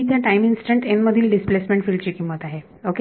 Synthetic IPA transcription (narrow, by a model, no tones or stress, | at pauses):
it̪jaʈajminsʈəɳʈenməd̪ʱiːlɖisplesmẽɳʈfiːlɖt͡ɕiːkĩmʋət̪aɦe | ok